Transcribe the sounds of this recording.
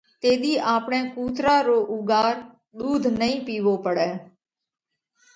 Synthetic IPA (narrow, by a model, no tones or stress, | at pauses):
t̪eːd̪iːʔaːpɳẽːkuːt̪ɾaːɾoːʔʊɡaːɾ | ɗ̪uːd̪ʱnəĩːpiːʋoːpəɽɛː